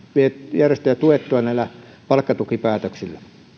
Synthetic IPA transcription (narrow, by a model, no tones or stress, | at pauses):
ʋiejærest̪ejæt̪uet̪ːˑoɑnæˑilæ | pɑlkːɑt̪ukipæːt̪øksilːæ